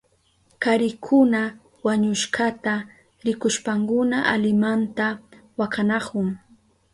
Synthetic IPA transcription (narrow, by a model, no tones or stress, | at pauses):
kaɾɪkʰʊna | waɲʊʃkat̪a | ɾɪkʊʃpaŋkʊnaʔa̰lɪmant̪awakanɑkʊŋ